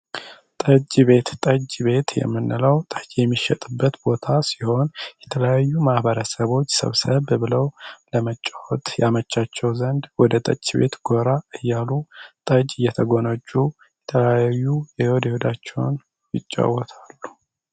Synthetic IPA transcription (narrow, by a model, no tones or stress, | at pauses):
t̪ʼət͡ʃʼːβe̞t̪t̪ʼəd͡ʒβe̞t̪jɛ̰mːɨnːɨləwt̪ʼəd͡ʒjɛmːiʃɛt̪ʼɨbːət̪bo̞t̪ʰasiho̞njɛt̪ʰələjajːumahbəɾəsəβo̞t͡ʃːsə̰βsəβbɨləwləmət͡ʃʼːawɔt̪ʼjamət͡ʃːat͡ʃːɛwzənd̪wɔd̪ət̪ʼə̰t͡ʃʼːiβe̞̰t̪ɡoɾaɨjːalut̪ʼəd͡ʒʼɨjːɛt̪ʰəɡo̞nət͡ʃʼːu | jɛt̪ʰələjajːujɛhod̪ɛhod̪at͡ʃːɛwn | jɪt͡ʃʼːa̰wɔt̪ʰalːu̥